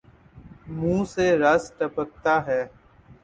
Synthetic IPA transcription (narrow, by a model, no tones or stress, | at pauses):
mũːseɾɐsʈəpək̚t̪aɦɛː